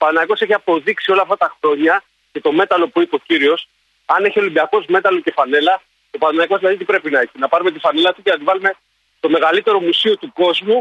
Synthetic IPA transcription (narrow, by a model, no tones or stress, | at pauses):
opɐðɐnɐjiko̞seçiɐpo̞ðiksio̞lɐft̪ɐt̪ɐxɾo̞ɲɐ | ce̞t̪o̞me̞t̪ɐlo̞puipeo̞ciɾio̞s | ɐneçio̞limbiɐko̞zme̞t̪ɐloce̞fɐne̞lɐ | opɐðɐnɐikozðilɐðit̪ipɾe̞pinɐeçinɐpɐɾume̞t̪ifɐne̞lɐt̪ucenɐt̪ivɐlume̞ | t̪o̞me̞ɣɐlit̪e̞ɾo̞musio̞t̪uko̞zmu